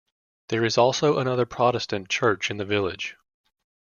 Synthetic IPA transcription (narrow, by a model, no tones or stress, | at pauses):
ðə˞ɨzɔlˠsoʊʔəñʌðə˞pʰɹ̥ɑɾɨstɨ̃nt͡ʃʰɜ˞t͡ʃɨ̃nðɨvɪlˠɪd̥ʒ̥